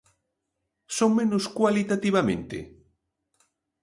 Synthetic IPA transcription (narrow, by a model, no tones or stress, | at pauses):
soŋmẽnʊskwalit̪at̪iβ̞amḛ̃nt̪ḛ